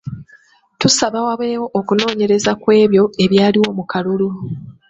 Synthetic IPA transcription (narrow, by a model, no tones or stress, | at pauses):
tusaβawaβweːwo̞ʔokuno̞ːɲe̞ɾe̞zakwe̞ːβjo̞e̞βjaːliwo̞mukalulu